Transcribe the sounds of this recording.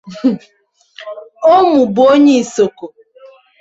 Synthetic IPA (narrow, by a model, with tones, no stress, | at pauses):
o˦mu˨bo˦ɲe˦i˨so˨ko˨